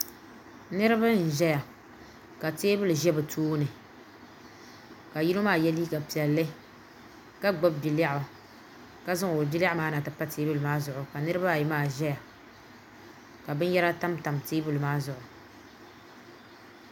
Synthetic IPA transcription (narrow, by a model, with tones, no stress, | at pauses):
nɨ˦ɾɨ˦ba˦n̩˨ʒɛ˦ja˨ | ka˨teː˦bʊ˦lɨ˨ʒɛ˦bɨ˨tʰoː˦nɨ˨ | ka˨ji˦ɾo˦maː˦˨jɛ˦liː˦ka˨pi˨ɛ˨lːɨ˦ | ka˦ɡ͡bɔ˦b̚bi˨la˦ʔʊ˨ | ka˦zɨ˦˨o˨lbi˦la˦ʔmaː˦na˨tɨ˨pa˦teː˦bʊ˦lɨ˨maː˦zʊ˨ʔʊ˨ka˨nɨ˦ɾɨ˦ba˦˨ji˨˦maː˦˨ʒɛ˦ja˨ | ka˨bɨ˦n˦jɛ˦ɾa˦ta˦mta˨mteː˦bʊ˦lɨ˨maː˦zʊ˨ʔʊ˨